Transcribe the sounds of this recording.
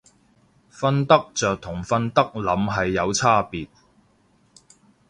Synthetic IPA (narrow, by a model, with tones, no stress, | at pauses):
fɐ˧nt̪ɐ˥k̚t͡sœː˨k̚t̪ʰʊ˨˩ŋfɐ˧nt̪ɐ˥k̚lɐ˨˧mɦɐ˨jːɐ˨˧wt͡sʰaː˥piː˨t̚